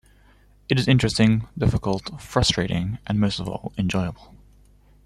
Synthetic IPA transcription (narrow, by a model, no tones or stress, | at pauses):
ɨɾɨzɪ̃nt͡ʃɹ̥ɨstɪ̃ŋdɪfɪkəlˠtfɹʌstɹ̥eɪɾɪ̰̃ŋʔə̃nməʊstəvɔ̰lˠɨ̃nd͡ʒɔɪəbəlˠ